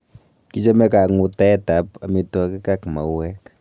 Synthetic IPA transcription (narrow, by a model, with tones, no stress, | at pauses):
ki˦t͡ʃa˦me˦ka˨ŋu˨ta˦ɛ˦ta˨pa˨mi˦twa˦ki˦ka˦kma̰˨wɛ˦k